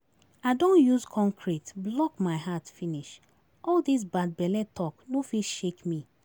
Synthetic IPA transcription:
aɪdõnjuzkʰɔ̃ŋkʰɹitblɔkmaɪɦatfiniʃ | ɔldis̬bad̚bɛlɛtʰɔknofiʃekmi

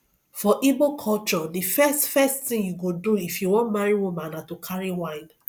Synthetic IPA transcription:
fɔʔibokʰɔlt͡ʃɔdifɛstfɛsttĩŋjuɡoduifjuwɔ̃ntmaɹiwumãnãtokʰaɹiwãɪ̃n

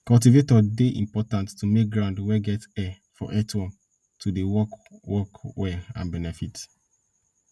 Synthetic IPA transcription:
kɔlt̬ivetɔdeʔḭ̃mpɔtãntːumek̚ɡɹãʊ̃ndwɛɡɛtɛ | fɔ̰ʔɛtɔ̃n | tʰudewɔkwɔkwɛã̰nbɛnɛfit

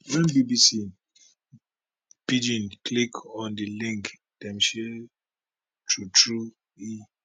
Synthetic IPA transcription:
wɛ̃nbibisi | pid͡ʒĩnkʰlikʰɔ̃ndilĩŋk | d̥ɛ̃mʃɛ | tʰutʰɹu | i

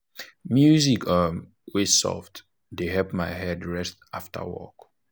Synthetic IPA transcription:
mjuzikə | wesɔ̰ft | deɦɛpmaɪhɛdɹɛstaftʰə̰wɔ̰k

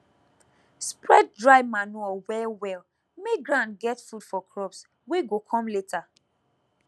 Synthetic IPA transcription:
spɹɛt̚dɹaɪmanuɔwɛwɛl | meɡɹãnɡɛtfud̥fɔkɹɔps | weɡokʰɔ̃mletʰa

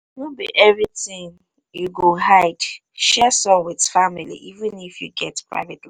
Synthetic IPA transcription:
nobiʔɛvɹitĩŋ | uɡoɦaɪd̥ | ʃɛsɔ̃mwidfamilḭʔivĩnifjṵɡɛtpɹa̰ɪvetli

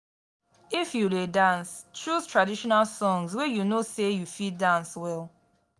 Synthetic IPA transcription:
ifjuledãnstɹuztʰɹadiʃɔnalsɔ̃ŋzwɛjunosejufidãnswɛl

